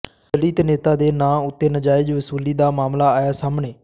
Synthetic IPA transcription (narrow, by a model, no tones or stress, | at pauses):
əliːt̪neːt̪aːd̪eːnãːʊt̪ːeːnəd͡ʒaːɪd͡ʒʋəsuːliːd̪aːmaːmlaːaːjaːsaːmɳeː